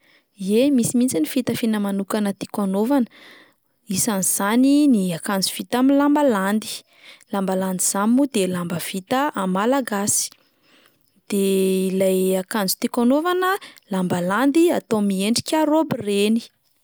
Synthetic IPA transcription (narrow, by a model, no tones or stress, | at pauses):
iemisimint͡sinifit̪əfinəmanukanət̪i̥kanovan | isaniz̥aniniakand͡zuv̥it̪aminlambaland̪i̥ | lambaland̪iz̥amimud̪elambəv̥it̪əʔamalaɡasi̥ | d̪̥elajakand͡zu̥t̪ikanovanəlambaland̪ia̰t̪omieɳɖ͡ʐi̥kʲaɾobireni̥